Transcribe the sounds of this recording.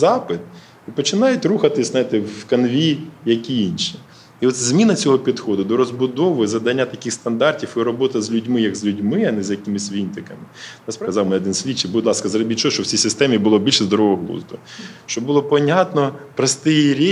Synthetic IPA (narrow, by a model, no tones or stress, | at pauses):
zɑpɪt̪̚ | ipɔt͡ʃɪnɑjʊtʲruxɐt̪ɪsʲznajit̪ɪwkɐnʋʲijɐkʲijinʃi | iɔt̪zʲmʲinɐt͡sʲɔɦɔpʲid̪xɔd̪ʊd̪ɔɾɔzbʊd̪ɔʋɪzɐd̪ɐnʲːat̪ɐkʲɪxst̪ɐnd̪ɑrtʲiwiɾɔbɔt̪ɐzʲlʲʉdʲmɪjɐɡzʲlʲʉdʲmɪɐnɛzʲjɐkɪmɪsʲʋʲint̪ɪkɐmɪɛskɐzɑwmɪɔd̪ɪnsʲʋʲit͡ʃːɪbʊd̪ʲlˠɑskɐzɾɔbʲit̚ʲt͡ʃːɔɔʃt͡ʃɔwt͡sʲijsɪst̪ɛmʲibʊlˠɔbʲilʲʃɛzd̪ɔɾɔʋɔɦlˠṵzd̪ʊʃt͡ʃɔbʊlˠɔpɔnʲat̪nɔpɾɐst̪ɪjiɾʲi